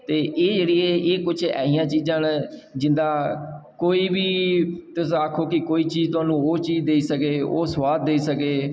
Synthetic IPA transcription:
t̪eːʔeːd͡ʒeɽɪeːeːkʊt͡ʃʰɛ̰ːɦɪjãːt͡ʃiːzãːnd͡ʒɪ̃nd̪aːkoːiːbiːt̪ʊsaːkʰoːkɪkoːiːt͡ʃiːzt̪ʊaːnũːoːt͡ʃiːd͡ʒd̪eːiːsəkeːo̰ːswaːd̪̚ːeiːsəkeː

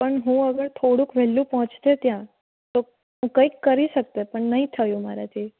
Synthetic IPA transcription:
pəɳɦũəɡəɾt̪ʰoɽũkʋɛlːũpɔɦɔ̃t͡ʃt̪et̪jã | t̪o | ɦũkə̃ikːəɾiʃək̚t̪epəɳnəɦĩt̪ʰəjũmaɾat̪ʰi

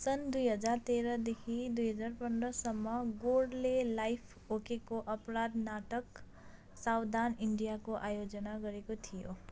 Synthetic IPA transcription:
sʌnd̪ujɦʌd͡zart̪eɾʌd̪ekʰid̪ujɦʌd͡zarpʌnd̪rʌsʌmːʌɡoɽlelajpʰ | okekoʔʌprad̪naʈʌk | sawd̪aniɳɖijakoʔajod͡zʌnaɡʌɾekot̪ʰijo

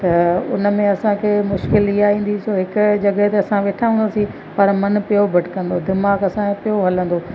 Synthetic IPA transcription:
t̪ɐʊ̰nmẽɐsãkʰeːmʊʃkɪliaːĩːn̆d̪isoːɦɪkʊd͡ʑɐɡəɦt̪eɐsãʋeːʈʰaɦũːnd̪asĩ | pɐɾmɐnpɪjobʱɐʈkɐ̃nd̪od̪ɪmaːɡɐsãpijoɦɐlə̃nd̪oː

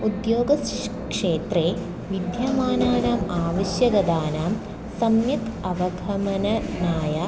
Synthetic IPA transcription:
ud̪joːɡɐs | kʂeːt̪reː | ʋid̪jaːmaːnaːnaːmaːʋɐɕjɐɡɐd̪aːnaːm | sɐmjɐt̪ɐʋɐɡʱɐmɐnɐnaːjɐ

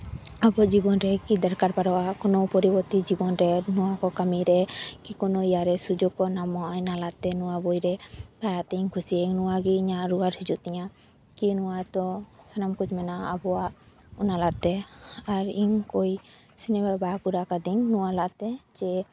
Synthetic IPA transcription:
abɔd͡ʒibɔnɾɛkid̪aɾkaɾpaɾɔwakɔnɔpɔɾibɔɾt̪id͡ʒibɔnɾɛnuwakɔkamiɾɛkikɔnɔijaɾɛsud͡ʒɔɡkɔnamɔjnalaʔt̪ɛnuwabɔjɾɛpaɾat̪ɛiɲkʰusiaiŋnuwaɡiːɲaʔɾuaɾhid͡ʒuʔt̪ɛɲa | kinuwat̪ɔsanamkud͡ʒmɛnaabɔwaʔ | unalaʔt̪ɛaɾiɲkɔj | sinɛmabakuɾakad̪iɲnuwalaʔt̪ɛd͡ʒɛ

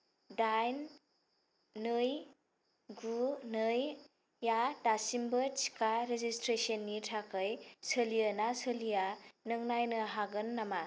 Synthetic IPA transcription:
dajn | ɯj | ɡunɯjː | adasimbɐt͡ʃi̥kʰaɾezistɾesienːitʰakʰɯjsəlijənasəlijanɯŋnajnɯɦaɡɯnːama

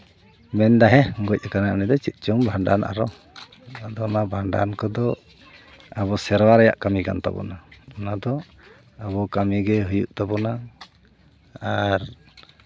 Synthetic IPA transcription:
mɛnd̪aɦɛŋɡɔc̚ˀakanaʔnid̪ɔt͡ʃit̪̚ˀt͡ʃɔmbʱaɳɖana̰ɾɔ | ad̪ɔɔnabʱaɳɖa̰nkɔd̪ɔ | aβɔsɛɾwaɾɛja̰ʔkamika̰nt̪a̰bɔ̰naɔnad̪ɔ | abɔkamiɡɛɦujuʔt̪abɔna | ɾ

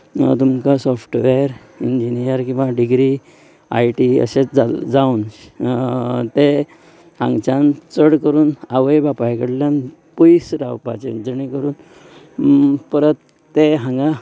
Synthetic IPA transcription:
t̪umkasɔfʈʋeɾ | iɲd͡ʑinijəɾkĩw̃ʋaɖiɡɾi | a̰jʈiə̰ɕet͡sd͡zad͡zaun | t̪e | ã̰ŋɡt͡ɕãnt͡səɽkəɾuːnaʋəjbapajkəɽljãn | pɔisɾawpa̰t͡ɕend͡zənikəɾuːn | pəɾət̪ː | eɦãŋɡã

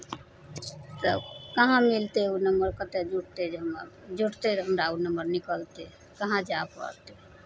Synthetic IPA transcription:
t̪əkəɦãmilt̪eunəmbəɾkət̪ed͡ʒuʈ̚t̪ed͡ʒɦmd͡ʒuʈt̪eɦəmɾaunəmbəɾnikəlt̪e | kəɦãd͡ʒapə̰ɾt̪e

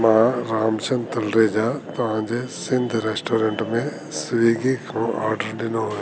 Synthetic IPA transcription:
maːɾaːmt͡ʃʰɐnt̪ɐlɾeːd͡ʒaːt̪ɐãːd͡ʒesɪ̃nd̪ʱɾeːsʈoːɾeɳʈmẽ | sʋiːɡikʰõa̰ːɾɖəɾdɪno

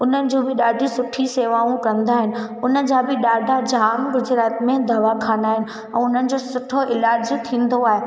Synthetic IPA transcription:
ʊn̤ənɪ̆d͡ʑoːbɪɗaːɖʱisʊʈʰiseːʋaːũkɐə̃nd̪aːɦɪnɪ̆ʊnə̆d͡ʑaːbɪɗaːɖʱad͡ʑʱaːmɡʊd͡ʑɾaːt̪mẽd̪ɐʋakʰaːnd̪aːɦɪnɪ̆ | ɛ̃ːʊn̤ənɪ̆d͡ʑoːsʊʈʰoʔɪlaːd͡ʑt̪ʰĩːn̆d̪oaːɦe

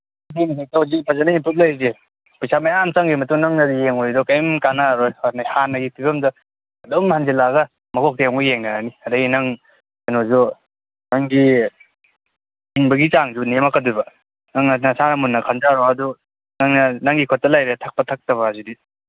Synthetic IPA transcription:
dinsajtawzipʰazanaimpup̚lajze | pɯjsamajamt͡ʃaŋɡimɐtuŋnaŋnadijeŋɔjdɔkajmkanaɾɔjanajhanːɐɡipʰibɐmdɐː | dɔmhanzilaɡɐ | mɐkʰɔk̚tjŋɔjeŋnaaniɐdɐɡinaŋ | anozɔ | naŋɡi | iŋbɐɡit͡ʃaŋzunemakʰadujba | naŋnanasanamunːɐkʰanzaɾɔɐdu | naŋnɐnaŋɡikʰɔtːalajɾetʰak̚patʰak̚tɐβaazudi

